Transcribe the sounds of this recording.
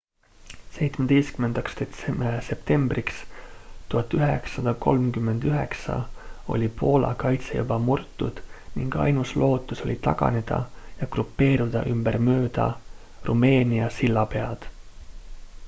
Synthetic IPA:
se̞jt̪smed̪̥ejst̪kymend̪̥ɑkst̪e̞t̪sese̞pt̪e̞mbrʔikst̪uɦɑt̪ːˑyɦḛksːɑd̪̥ɑko̞̰lmkymːe̞nd̪̥yɦḛksɑ̰o̞̰lʲipʰo̞ːlɑ̰kɑjt̪sḛjṵbɑmurt̪ːˑud̪̥niŋɡ̥ɑ̰jnuslʔo̞ːt̪ːˑuso̞̰lʲit̪ɑ̰ɡ̥ɑ̰ne̞d̪̥ɑ̰jɑɡ̥rupːe̞ːɾud̪̥ɑ̰ʔymb̥ermøːd̪̥ɑ̰ | rume̞ːnʲiɑsilːɑpe̞ɑd̪̥

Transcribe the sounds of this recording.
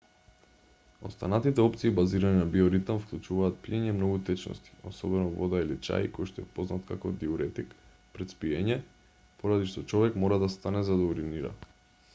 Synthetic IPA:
o̰st̪anat̪it̪ɛɔp̚t̪siːbaziɾaninabioɾit̪amfklˠut͡ʃuvaːt̪̚piɛɲɛmnoɡut̪ɛt͡ʃnɔ̰st̪i̥osɔbɛnɔvɔd̪ailit͡ʃa̰jkojʃt̪ɔɛpoznat̪kakɔd̪iuɾɛt̪ik | pɾɛt̪spiɛɲɛ | poɾad̪iʃt̪ɔt͡ʃɔvɛkmɔɾad̪ast̪anɛzad̪auɾiniɾa̰

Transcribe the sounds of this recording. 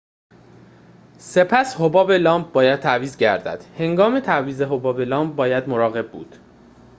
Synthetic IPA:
se̞pʰæshobɒːbelɒːmb̚bɒːjæd̪̚t̪ʰæʔviːzɟæɾd̪æ̰d̪̥he̞ŋɡɒːmet̪ʰæviːze̞ɦobɒːbelɒːmb̚bɒːjæd̪moɾɒːɣe̞b̚bṵːd̪̥

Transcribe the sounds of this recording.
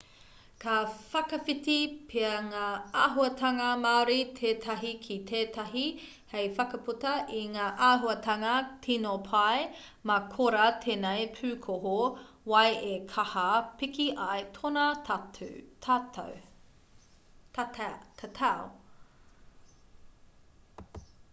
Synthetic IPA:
kʰɐfɐkɐfitipʰeɐŋaːaːɦuɐtʰɐŋɐmaɾit̪ʰeːt̪ʰɐɦikʰitʰeːtɐɦi | hejfɐkɐputɐʔiŋaːʔaːɦuɐt̪ʰɐŋɐtʰinopʰaj | mɐkʰoɾɐt̪ʰeːnejpʰʉːkʰoɦo | wɐjʔekʰɐhɐpikiʔɐjtʰonɐ | tʰatɐ̰w | ttʰatʰao

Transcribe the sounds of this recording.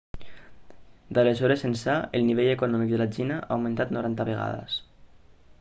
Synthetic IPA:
d̪alezɔɾesensaelˠniβ̞eʎekunɔmik̚ðəlat͡ʃinaʔaːwmẽnt̪at̪nuɾant̪aβeɣa̰ðə̰s

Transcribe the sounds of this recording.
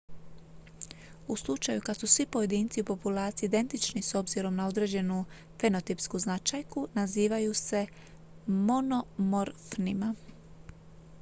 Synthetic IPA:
uslˠut͡ʃajukad̪susʋipo̞je̞d̪iːnt̪siupo̞pulˠaːɾt̪siːd̪e̞nt̪it͡ʃniso̞bziɾo̞mnao̞d̪ɾe̞ːd͡ʑe̞nu | fe̞no̞t̪ipskuznat͡ʃajkunaziːʋajuse̞ | mo̞no̞moɾfnima

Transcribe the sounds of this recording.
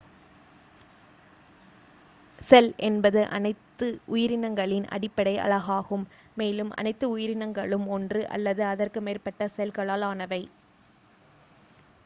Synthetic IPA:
sɛlʔɛnbɐðɯʔɐ̰nɐɪt̪ːɯʔʊjɪɾɪnɐŋɡɐɭɪnʔɐ̰ɽɪpːɐɽɐɪʔɐ̰lɐɣaːɣɯmː | eːlɯmʔɐ̰nɐɪt̪ːɯʊjɪɾɪnɐŋɡɐɭɯmɔndrɯʔɐ̰lːɐðɯɐðɐrkɯmeːrpɐʈːɐsɛlkɐɭaːlaːnɐʋɐɪ

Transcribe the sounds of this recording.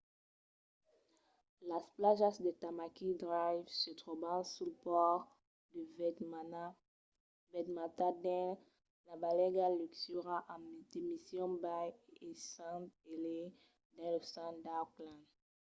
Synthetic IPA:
lasplaʒasd̪et̪amakid̪ʁajvsət̪ʁɔbãsulpɔʁ | d̪ə | bɛt̪mat̪ad̪ɛ̃ | labalɛɡalyksyʁaʔamd̪emisjɔ̃bajesãt̪ele | d̪ãləsãd̪aklãn

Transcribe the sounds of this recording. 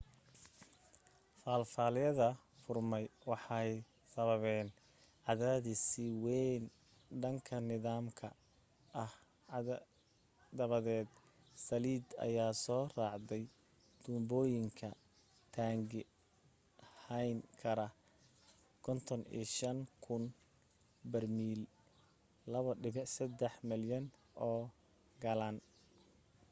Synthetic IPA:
faːlfaːlɪjɐðɐ | fʊrmɛjwɑħɑj | sɐβɐβɛːn | ʕɑðaːðɪsɪwɛn | ɖɐŋkʰɐnɪðaːmkʰɐ | ʔɐh | d̪ɐβɐðɛːd̪ | sɐliːd̪ɐ̰jaːsɔːrɑːʕd̪ɛj | d̪ʊmbɔːjɪŋkʰɐ | t̪ʰaːŋɡɪ | hɐjnkʰɐɾɐ | kʰɔnt̪ʰɔnḭːʃɐnkʰʊn | bɐrmiːl | lɐβɐɖɪβsɐd̪ɛħmɪljɐn | ʔɔː | ɡɐlaːn

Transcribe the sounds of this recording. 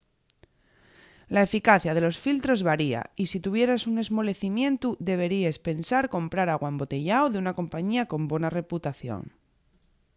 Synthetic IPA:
lae̞fikaθjaðe̞lo̞sfilt̪ɾo̞zβaɾia̰isit̪uβ̞je̞ɾasune̞zmo̞le̞θimjẽ̞nt̪uðe̞β̞e̞ɾiespe̞nsaɾko̞mpɾaɾaɣwaembo̞t̪e̞ʝaoðeunako̞mpaɲiako̞mbwe̞nare̞put̪aθjo̰ŋ

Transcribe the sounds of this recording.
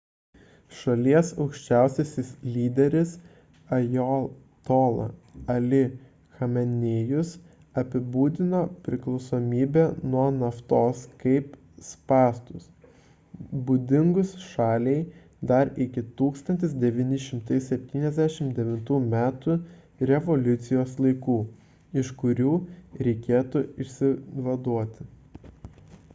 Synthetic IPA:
ʃɐlʲiɛsɒʊkʃʲt͡ʃʲæˑʊsʲɛsʲɪslʲiːd̪ʲɛɾʲɪs | ɐjo | t̪oːlˠɐ̰ɐlʲɪ | xɐmʲɛnʲeːjʊs | ɐpʲɪbuːd̪ʲɪnoːpʲɾʲɪklˠɔʊsoːmʲiːbʲɛnuɔnɐft̪oːskɐɪp | spɑːst̪ʊs | buːd̪ʲɪŋɡʊsʃɑːlʲɛɪ | d̪ɐɾɪkʲɪt̪uːkst̪ɐnʲt̪ʲɪs̬d̪ʲɛʋʲiːnʲɪʃʲɪmt̪ɐɪsʲɛpʲt̪ʲiːnʲɛzʲd̪ʲæʃʲɪmd̪ʲɛʋʲɪnt̪uːmʲæːt̪u | ɾʲɛʋɔlʲʊt̪sʲɪjoːslˠɐɪkuː | ɪʃkʊɾʲuːɾʲɛɪkʲeːt̪ʊɪʃʲsʲɪʋɐd̪uɔt̪ʲɪ

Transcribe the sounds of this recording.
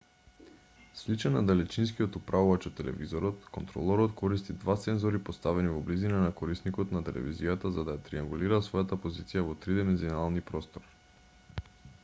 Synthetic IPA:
slit͡ʃɛnad̪alɛt͡ʃins̬kiɔt̪upɾʔavuvat͡ʃɔt̪ːɛlɛ̰vizɔɾɔt̪kɔnt̪ɾɔ̰lˠɔɾɔt̪kʰɔɾist̪id̪vat̪sɛnzɔɾipost̪avɛnivɔblizinanakɔɾisnikɔt̪nat̪ɛlɛ̰vḭzijat̪azad̪ajat̪ɾiaŋɡuliɾasvɔjat̪apozit̪sijavɔt̪ɾid̪ɛmɛnzionalˠnipɾɔst̪ɔɾ

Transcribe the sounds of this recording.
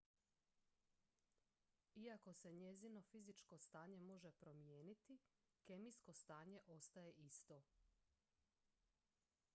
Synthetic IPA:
iako̞se̞ɲe̞zino̞fizit͡ʃko̞st̪aːɲe̞mo̞ʒe̞pɾo̞mjeːnit̪i | ke̞mijsko̞st̪aːɲe̞ʔo̞st̪aje̞ʔist̪o̞

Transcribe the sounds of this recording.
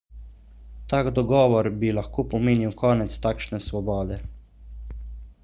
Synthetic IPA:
t̪aːɡd̪ɔɡɔːʋɔɾbilaxkoːpɔmeːniwkɔːnɛt̪st̪aːkʃnɛsʋɔbɔːd̪ɛ

